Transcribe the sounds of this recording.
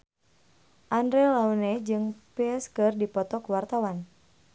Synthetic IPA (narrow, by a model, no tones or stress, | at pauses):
ʔandɾelaunɛd͡ʒɨŋpɛɛskɨrdipɔt̪ɔkwart̪awan